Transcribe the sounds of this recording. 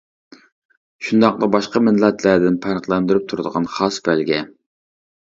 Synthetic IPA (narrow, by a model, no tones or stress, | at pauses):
ʃund̪ɑq̚d̪ˠɑbɑʃqɑmɪnlɛt̪ʰlæd̪ɪnpʰæɾəχlˠɛnd̪yɾyp̚t̪ʰuɾɨd̪əʁɑnχɑsbælɡʲɛ